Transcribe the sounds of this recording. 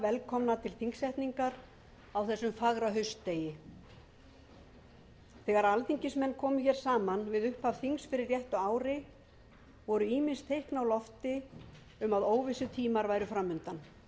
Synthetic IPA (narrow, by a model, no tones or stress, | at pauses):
vɛlkʰɔmnat̪ʰɪlθiŋsɛht̪niŋkaɾ | awθɛsːʏmfaɣɾaɦœɥstt̪eːjɪ | θɛɣaɾalθiɲcɪsmɛnːkʰɔːmʏçɛːɾ̥saːmanvɪðʏhpav̥θiŋsfɪɾɪɾjɛht̪ʏaːwɾɪ | vɔɾʏiːmɪnst̪ʰejhknawlɔft̪ɪ | ʏmaðoːwvɪsʏt̪ʰiːmaɾvaːjɾʏfɾamːʏnt̪an